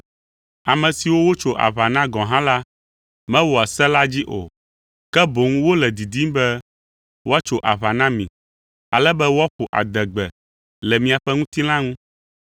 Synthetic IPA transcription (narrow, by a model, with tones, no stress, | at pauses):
a˨mɛ̃˨si˨wo˦wo˦t͡ʃo˦ʔa̰˨βa˨nã˦ɡɔ̃˨ɦã˦la˦ | mɛ̃˦wɔ˨a˨sɛ˦la˦d͡ʑi˦ʔo̰˨ | kɛ˦bo˨ŋũ˦wo˦lɛ˨d̪i˨d̪i˦m˦bɛ˦ | wo˦a˦t͡ʃo˦ʔa˨βa˨nã˦mĩ˨ | a˨lɛ˦bɛ˦wo˦a˦ɸu˨ʔa̰˨d̪ɛ˨ɡ͡bɛ˨ | lɛ˨mĩ˨a˨ɸɛ˦ŋũ˦t̪i˦l̃ã˦ŋũ˦